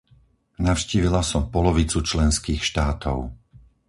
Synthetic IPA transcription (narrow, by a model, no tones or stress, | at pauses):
naʊʃciːʋilasɔmpɔlɔʋit͡sut͡ʃlɛnskiːxʃt̪aːt̪ʰɔ̰ʊ